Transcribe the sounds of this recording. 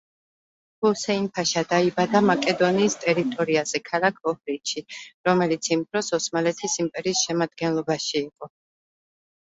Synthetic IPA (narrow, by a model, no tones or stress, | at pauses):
husɛinpʰaʃad̪aibad̪amakʼɛd̪ɔniːst̪ʼɛɾit̪ʼɔɾiazɛkʰalakʰɔhɾit̪ʃʰiɾɔmɛlit̪sʰimbɾɔsɔsmalɛt̪ʰisimpʼɛɾiːsʃɛmad̪̚ɡɛnlˠɔbaʃiːqʼɔ